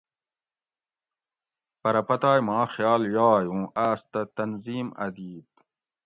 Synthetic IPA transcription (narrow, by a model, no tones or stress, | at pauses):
pɐɾɐpɐt̪aːjmaːxjaːljaːjũːʔaːst̪ɐt̪ɐnziːmɐ̰d̪iːt̪